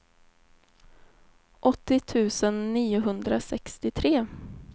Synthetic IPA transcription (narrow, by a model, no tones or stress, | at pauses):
ʔɔt̪ːɪt̪ʰʉ̟ːsənːiːʊɦɵnd̪ɾasɛkst̪ɪt̪ʰɾeː